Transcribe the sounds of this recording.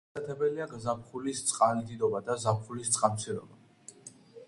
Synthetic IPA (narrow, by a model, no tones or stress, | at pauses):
ɛt̪ʰɛbɛliaɡzapχulist̪sʼqʼanid̪id̪ɔbad̪azap̚χulist̪sʼqʼant̪sʰiɾɔ̰ba